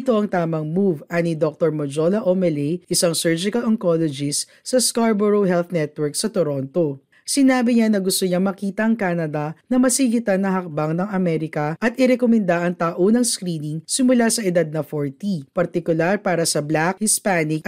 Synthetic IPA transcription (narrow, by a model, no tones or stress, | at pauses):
t̪o̞ʔɐŋt̪aːmɐŋmuvʔɐnid̪ok̚t̪oɹmod͡ʒolɐʔomɛlɛjʔɪsɐŋsɛɹd͡ʒɪkɐloŋkolod͡ʒɪs | sɐskaɹboɾoɦɛlθnɛt̪̚wɛɹksɐt̪oɾo̞nt̪o̞ | sɪnaːbɪɲanɐɡʊst̪oɲamɐkiːt̪ɐʔɐŋkaːnɐd̪ɐnɐmɐsɪɡɪt̪ɐnɐɦɐk̚bɐŋnɐŋɐmɛɾɪkɐʔɐt̪̚ʔɪɾɛkomɛnd̪aʔɐŋt̪aːʔonɐŋskɾiːnɪŋsɪmʊlasɐʔɛd̪ad̪̚nɐfoɹt̪ipɐɾt̪ɪkʊlaɾpaːɾɐsɐblakhɪspanɪk̚